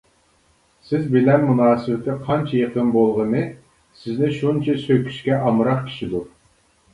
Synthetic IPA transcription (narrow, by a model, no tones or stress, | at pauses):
sɪzbɪlɛnːunɑːsɨwɪt̪ʰɪqʰɑnt͡ʃʰɛjeqʰənbolˠʁənɨ | sɪznɪʃunt͡ʃʰɛsøkʲʰy̥ʃkʲɛʔɑmɨɾɑqkʲʰi̥ʃid̪u